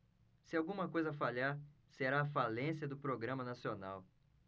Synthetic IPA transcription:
sɪawɡũmɐkojzɐfaʎaɾ | seɾaːfalẽsiɐd̪ʊpɾoɡɾɐ̃mɐnasiona̰w

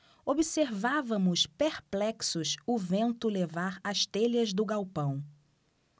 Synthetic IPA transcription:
obiseɾvavɐ̃mʊspeɾplɛksʊsʊvẽnt̪ʊlevaɾɐʃt̪eʎɐzd̪ʊɡawpɐ̃w̃

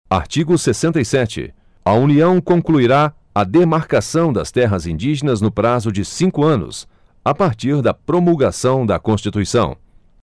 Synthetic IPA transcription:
a̰ɾt͡ʃiɡʊsesẽnt̪ejsɛt͡ʃɪ̰ | ɐuniɐ̃w̃kõŋkluiɾa | ɐd̪emaɾkasɐ̃w̃d̪ɐ̰st̪ɛɦɐzĩnd͡ʒiʒenɐznʊpɾazʊd͡ʒɪsĩŋkʊɐ̃nʊ̰s | apaɾt͡ʃiɾd̪ɐpɾomulɡasɐ̃w̃d̪ɐkõst͡ʃit̪uisɐ̃w̃

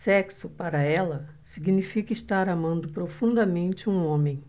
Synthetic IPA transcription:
sɛksʊpaɾɐɛlɐ | siɡinifikɐɪst̪aɾamɐ̃nd̪ʊpɾofũnd̪ɐmẽnt͡ʃɪũõmẽj̃

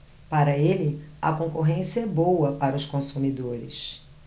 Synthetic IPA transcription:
paɾɐelɪɐ̰kõŋkoɦẽsiɛbowɐpaɾɐʊʃkõsumid̪oɾɪ̰ʃ

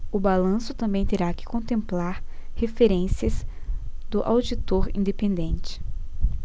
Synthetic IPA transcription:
ʊbalɐ̃sʊt̪ɐ̃mbẽj̃t̪eɾakɪ̥kõnt̪ẽmplaɾhefeɾẽsiɐzd̪ʊʔawd͡ʒit̪oɾḭ̃nd̪epẽnd̪ẽnt͡ʃɪ̥

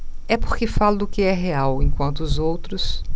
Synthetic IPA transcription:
ɛpoɾkɪfalɐd̪ʊkɪɛɦeawẽkwɐ̃nt̪ʊːzowt̪ɾʊs

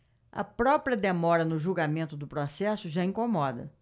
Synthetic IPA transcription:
ɐ̰pɾɔpɾiɐd̪emɔɾɐnʊʒuɡamẽnt̪ʊd̪ʊpɾɔsɛsʊʒaĩkomɔd̪ɐ̰

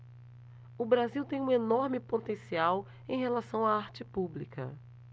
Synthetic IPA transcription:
ʊbɾaziwt̪ẽj̃ũenoɾmɪpot̪ẽsiaw | ẽj̃ɦelasɐ̃w̃aaɾt͡ʃɪpublikɐ̰

